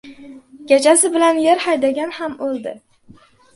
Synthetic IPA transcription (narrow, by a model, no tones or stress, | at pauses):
ɡʲat͡ʃʰasɪbɪlanjeɾhajd̪aɡʲanhamolˠd̪ɪ̰